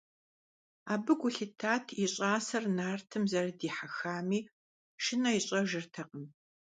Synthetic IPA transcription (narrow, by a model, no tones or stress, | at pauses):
aːbɨɡʷʊɬɨtʰaːtʰɪɕʼaːsɐrnaːrtʰɨmzɐrɨdiːħaxaːmiː | ʃɪnɐjɪɕʼɐʒɨrtʰɐqʼəm